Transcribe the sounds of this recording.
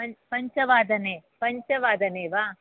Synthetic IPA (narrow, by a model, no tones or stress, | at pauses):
ɐpɐɲt͡ʃɐʋaːd̪ɐneːpɐɲt͡ʃɐʋaːd̪ɐneːʋaː